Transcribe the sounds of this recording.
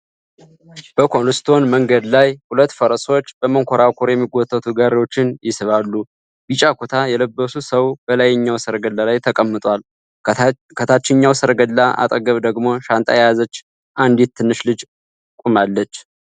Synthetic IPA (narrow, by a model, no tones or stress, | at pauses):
b̥əkʰolust̪ʰo̞nməŋɡəd̪lajhulət̪ːfəɾəso̞t͡ʃːb̥əməŋkʰʷoɾakʰoɾjɛmːiɡɔt̪ʰʼːət̪ʰuɡaɾewo̞t͡ʃːɪnjɪsɨβalːu | bit͡ʃʼːakʰot̪ʰajɛləbːəsusəwb̥əlajɛɲːawsəɾɡəlːalajt̪ʰəkʼəmːɨt̪ʼwal | kʰət̪ʰat͡ʃːɪɲːawsəɾɡəlːaʔa̰t̪ʼəɡəβd̪əɡmo̞ʃant̪ʼa̰jajazət͡ʃː | ʔand̪it̪̚ʰːɨnːɨʃlɨd͡ʒ | kʼumalːət͡ʃː